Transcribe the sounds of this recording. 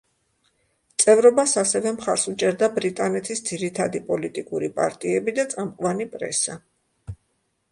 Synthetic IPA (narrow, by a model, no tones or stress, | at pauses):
t̪sʼɛvɾɔbasasɛvɛmχaɾsut͡ʃʼɛɾd̪abɾit̪ʼanɛt̪ʰisd̪ziɾit̪ʰad̪ipʼɔlit̪ʼikʼuɾipʼa̰ɾt̪ʼiɛbid̪at̪sʼamqʼwanipʼɾɛ̰sa̰